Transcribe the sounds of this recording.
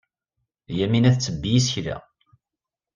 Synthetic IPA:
jæminæθt͡sːəbːijis̬çlæ̰

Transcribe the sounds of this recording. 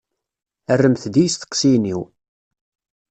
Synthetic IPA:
ərːəmθd̪ijst̪ə̥qːsiniw

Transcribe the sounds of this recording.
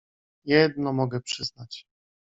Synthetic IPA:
jɛd̪̚nɔmɔɡɛpʂɘznat͡ɕ

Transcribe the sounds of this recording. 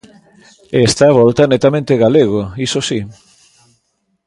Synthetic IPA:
est̪aβɔlt̪anet̪amẽnt̪eɣaleɣoisosi

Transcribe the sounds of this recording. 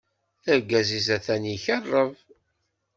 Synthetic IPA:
θəɡːæzizæθæniçərˤːəv

